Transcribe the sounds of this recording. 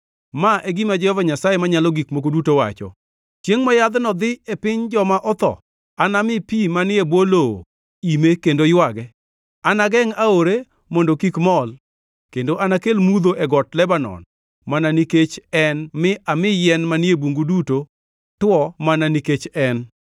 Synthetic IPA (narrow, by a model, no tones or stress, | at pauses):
maʔeɡimad͡ʒɛhɔvaɲasajemaɲalɔɡikmokodutowa̰t͡ʃɔ̰ | t͡ʃeŋmajad̪nɔd̪ɪepɪɲd͡ʒɔmaʔɔt̪ɔ̰ | anamɪpimanɪebwolo̰ | imekendojwaɡɛ | anaɡɛŋaoɾe | mondokikmɔl | kendoʔanakelmud̪oʔɛɡɔtlɛbanɔ̰n | mananiket͡ʃɛnmɪʔamɪjɛnmanɪebuŋɡuduto | twɔmananiket͡ʃɛn